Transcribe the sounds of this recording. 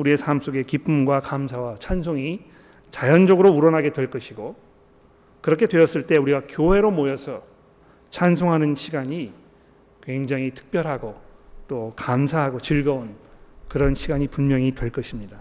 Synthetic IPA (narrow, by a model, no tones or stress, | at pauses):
uɾie̞sʰams͈oɡe̞kip͈umɡwakamsʰawat͡ɕʰansʰoŋi | t͡ɕajʌnd͡ʑʌɡɯɾouɾʌnɦaɡe̞dwe̞ɭk͈ʌɕʰiɡo | kɯɾʌkʰe̞dwe̞ʌs͈ɯɭt͈e̞uɾiɡakjoɦe̞ɾomojʌsʰʌ | t͡ɕʰansʰoŋɦanɯnɕʰiɡaɲi | kwe̞ŋd͡ʑaŋɦitʰɯ̥k̚p͈jʌɾɦaɡot͈okamsʰaɦaɡot͡ɕɯɭɡʌonkɯɾʌnɕʰiɡaɲipunmjʌŋitwe̞ɭk͈ʌɕʰimɲida